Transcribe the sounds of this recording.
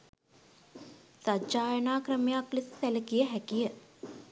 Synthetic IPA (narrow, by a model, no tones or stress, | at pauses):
sad͡ʒaːjənaːkɾəmjaːklist̪æləkijəɦækijə